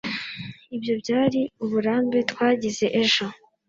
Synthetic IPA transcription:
ibjo̞bɟaːɾiuβuɾaːmbe̞twaːɟize̞ʔeʒo̞

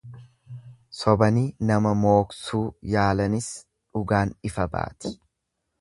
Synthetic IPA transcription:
sɔbɐniːnɐmɐmo̞ːksuːjaːlɐnɪs | ᶑʊɡaːnɪfɐba̰ːt̪ɪ̥

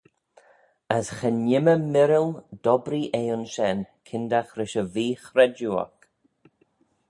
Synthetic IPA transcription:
əsxɛnɪməmɪɾɪld̥ɔbɾiʔeːʊnʃɛnkʰɪnd̪axɾɪʃəviːxɾɛd͡ʒuɔ̰k

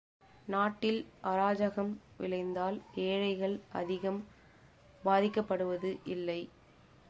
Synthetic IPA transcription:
naːʈːɪlʔɐɾaːd͡ʒɐɣɐmʋɪ̰ɭɐɪnd̪aːleːɻɐɪɣɐɭʔɐ̰ðɪɣɐm | baːðɪkːɐpːɐɽɯʋɐðɯʔɪlːɐɪ

